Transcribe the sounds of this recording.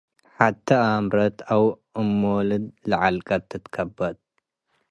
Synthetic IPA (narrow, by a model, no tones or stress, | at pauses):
ħat̪ʰːɐamɾɐt̪ʰaw | ɨmːolɨd̪lɐʕalkʼɐt̪ʰːɨt̪kʰɐbɐd̪̚